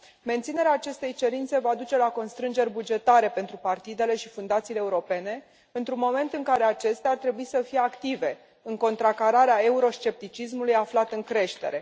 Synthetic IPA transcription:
me̞nt̪sine̞ɾeaːt͡ʃe̞st̪e̞jt͡ʃe̞ɾint̪se̞vad̪ut͡ʃe̞lako̞nst̪ɾɨnd͡ʒe̞rʲbud͡ʒe̞t̪aɾe̞pe̞nt̪ɾupart̪id̪e̞le̞ʃifund̪at̪siːleːuɾo̞pe̞ne̞ | ɨnt̪ɾunmo̞me̞nt̪ɨŋkaɾe̞at͡ʃe̞st̪eart̪ɾe̞buisəfijeakt̪ive̞ | ɨŋko̞nt̪ɾakaɾaɾeae̞uɾo̞ʃt͡ʃe̞p̚t̪it͡ʃis̬mulujaflat̪ɨŋkɾe̞ʃt̪e̞̰ɾe̞

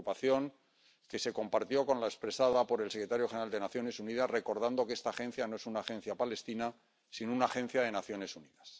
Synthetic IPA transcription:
upaθjo̞ŋ | ke̞se̞ko̞mpaɾt̪jo̞ko̞nlaespɾe̞saðapo̞ɾe̞lsekɾet̪aɾjo̞xeneɾald̪e̞naθjo̞ne̞suniðazre̞ko̞ɾð̞and̪o̞kee̞st̪aːχe̞n̟θjanoe̞sunaːxe̞n̟θjapale̞st̪ina | sinounaːχẽ̞n̟θjað̞e̞naθjo̞ne̞suniðas

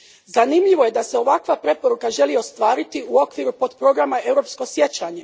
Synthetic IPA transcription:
zanimʎiʋo̞je̞d̪aseo̞ʋakʋapɾe̞po̞ɾukaʒe̞lio̞st̪ʋaːɾit̪iuo̞kʋiːɾupo̞d̪pɾo̞ɡɾamae̞wɾo̞ːpsko̞sje̞t͡ɕaɲe̞

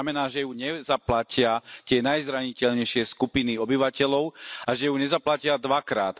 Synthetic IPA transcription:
amɛnaːʒɛjuɲɛzaplacɪat̪ɪɛnajzɾaɲicɛʎɲɛjʃɪɛskupiniɔbiʋacɛʎɔʊaʒɛjuɲɛzaplacɪad̪ʋakɾaːt̪

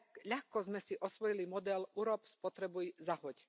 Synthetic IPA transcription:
ʎaxkɔzmɛsiʔɔsʋɔjilimɔd̪ɛluɾɔpspɔt̪ɾɛbujzaɦɔc

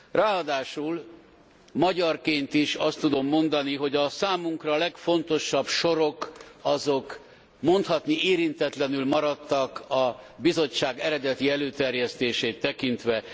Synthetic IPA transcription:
raːɒd̪aːʃul | mɒɟɒrkeːnt̪iʃɒst̪ːud̪o̞mːo̞nd̪ɒniɦo̞ɟɒsaːmuŋkrɒlɛkfo̞nt̪o̞ʃɒbʃo̞ɾo̞kɒzo̞k | mo̞nt̪hɒt̪niʔeːɾint̪ɛt̪lɛnylmɒɾɒt̪ːɒkɒbizo̞t͡ʃːaːɡɛɾɛd̪ɛt̪iɛløːt̪ɛrjɛst̪eːʃeːt̪ːɛkint̪ʋɛ

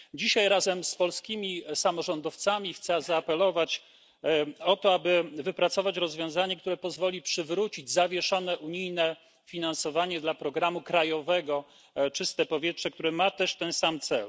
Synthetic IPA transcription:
d͡ʑiɕajɾazɛmspɔlskʲimʲisamɔʐɔnd̪ɔft̪samʲixt̪sɛzaːpɛlɔvat͡ɕ | ɔt̪ɔabɘvɘpɾat̪sɔvat͡ɕɾɔzvʲjɔ̃w̃zaɲɛk̚t̪uɾɛpɔzvɔlʲipʂɘvɾut͡ɕid͡ʑzavʲjɛʂɔnɛʔuɲijnɛ | fʲinansɔvaɲɛd̪lapɾɔɡɾamukɾajɔvɛɡɔ | t͡ʂɘst̪ɛpɔvʲjɛtʂɛk̚t̪uɾɛmat̪ɛʂt̪ɛnsamt̪sɛ̰l

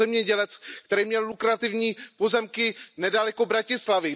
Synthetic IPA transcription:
ɛmɲɛɟɛlɛt͡skt̪ɛɾiːmɲɛllukɾat̪ɪvɲiːpo̞zɛmkɪnɛdalɛko̞bɾacɪslavɪ

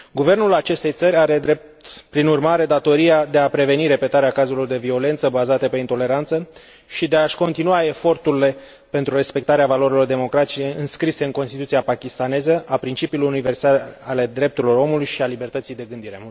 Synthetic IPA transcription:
ɡuve̞rnulat͡ʃe̞st̪e̞jt̪səɾʲaɾe̞d̪ɾe̞p̚t̪pɾinurmaɾe̞d̪at̪o̞ɾiad̪e̞apɾe̞ve̞niɾe̞pe̞t̪aɾeakazulord̪e̞vio̞le̞nt̪səbazat̪əpe̞int̪o̞le̞ɾant̪sə | ʃid̪e̞aʃʲko̞nt̪inuae̞fo̞rt̪uɾile̞ | pe̞nt̪ɾure̞spe̞k̚t̪aɾeavalo̞ɾilo̞rd̪e̞mo̞kɾat̪it͡ʃeɨnskɾise̞ɨŋko̞nst̪it̪ut̪siapakʲist̪ane̞zəʔapɾint͡ʃipiulujunive̞rsaale̞d̪ɾe̞p̚t̪uɾilo̞ro̞mulujʃialibe̞rt̪ət̪sijd̪e̞ɡɨnd̪iɾe̞

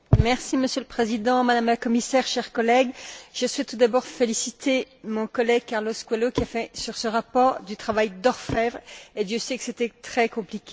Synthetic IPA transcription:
mɛʁsiməsjøləpχezid̪ɑ̃mad̪amlakɔmisɛʁʃɛʁkɔlɛɡʒ̥əswɛt̪t̪ːud̪abɔʁfelisit̪ʰe | mɔ̃kɔlɛɡ̚kaʁloskwɛlokʲiafɛsyʁsəʁapɔʁd̪yt̪χavajd̪ɔʁfɛvʁed̪jøsɛkə̥set̪ɛt̪χɛkɔ̃plikʲe

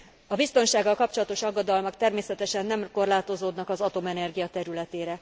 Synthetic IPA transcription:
ɒbist̪o̞nʃaːɡːɒlkɒp̚t͡ʃolɒt̪o̞ʃɒɡːod̪ɒlmɒkt̪ɛrmeːsɛt̪ɛʃɛnːɛmko̞rlaːt̪o̞zoːd̪nɒkɒzɒt̪o̞mɛnɛrɡijɒt̪ɛɾylɛt̪eːɾɛ

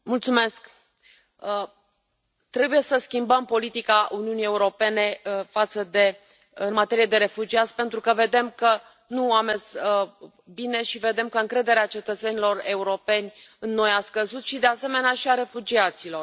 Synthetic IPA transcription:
mult̪sume̞sk | ə | t̪ɾe̞buje̞səskʲimbəmpo̞lit̪ikaʔuniunije̞uɾo̞pe̞ne̞fat̪səd̪e̞ | ɨnmat̪e̞ɾijed̪e̞ɾe̞fud͡ʒiat̪sʲpe̞nt̪ɾukəve̞d̪e̞mkə | nuame̞z | bine̞ʃive̞d̪e̞mkəɨŋkɾe̞d̪e̞ɾeat͡ʃe̞t̪ət̪se̞nilo̞re̞uɾo̞pe̞nʲɨnːo̞jaskəzut̪ʃid̪e̞ase̞me̞neaʃiaɾe̞fud͡ʒiat̪silo̞r

